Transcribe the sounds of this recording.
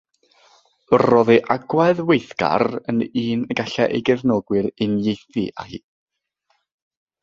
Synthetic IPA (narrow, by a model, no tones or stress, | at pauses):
rɔðeʔaɡwaðwejθɡ̥a̰rə̰niːnəɡaɬɛʔḛjɡɛvnɔɡwɨɾɪnjejθiʔa̰hiː